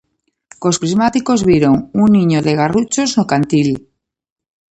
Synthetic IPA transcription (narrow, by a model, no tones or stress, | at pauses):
ko̞spɾizmat̪iko̞zβjeɾoŋunːĩɲoðe̞ɣ̞arut͡ʃo̞znokant̪il